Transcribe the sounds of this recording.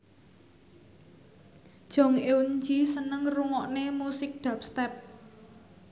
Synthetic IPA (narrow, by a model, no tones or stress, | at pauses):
d̥ʒ̥ɔ̤ŋewund͡ʒisənəŋruŋɔʔnemusɪk̚d̪̥a̤p̚st̪ɛp̚